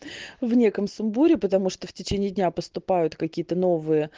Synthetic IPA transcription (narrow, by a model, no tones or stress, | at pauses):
vnʲe̞kəmsʊmbuɾʲɪpət̪ɐmuʂt̪oftʲɪt͡ɕenʲɪːdʲnʲapəst̪ʊpajʊt̪kɐkʲijət̪əno̞vɨjə